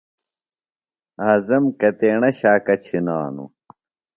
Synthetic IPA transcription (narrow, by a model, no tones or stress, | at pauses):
ɐzɐmkɐt̪eːɳɐɕaːkɐt͡ɕʰina̰ːnṵ